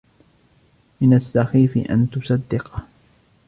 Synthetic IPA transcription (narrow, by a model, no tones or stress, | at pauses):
mɪnasːaxiːfɪ̰ʔa̰nt̪ʊsɑd̪ːɪqɑ